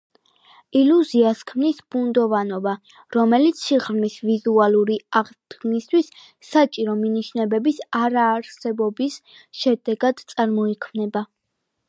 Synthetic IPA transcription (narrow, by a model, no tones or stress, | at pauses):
iluziaskʰmnisb̥und̪ɔvanɔba | ɾɔmɛlit̪sʰiʁɾmisvizualˠuɾiaʁd̪̥ɡnist̪ʰwisː | at͡ʃʼiɾɔminiʃnɛbɛbisaɾaːɾsɛbɔbisʃɛd̪ɛɡad̪̥t̪sʼaɾmɔikʰmnɛba